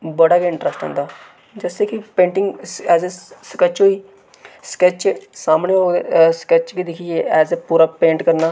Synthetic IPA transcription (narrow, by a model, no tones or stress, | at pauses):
bəɽaːkeɪ̃ɳʈɾəsʈɦɛ̰̃ːnd̪aː | d͡ʒɛːseːkipẽːɳʈɪ̃ŋɡɛːzeskɛt͡ʃɦoːiː | skɛt͡ʃsaːmɳeɦoːskɛt͡ʃkid̪ɪkʰɪd͡ʒeːɛːzepuːɾaːpẽːɳʈkəɾnaː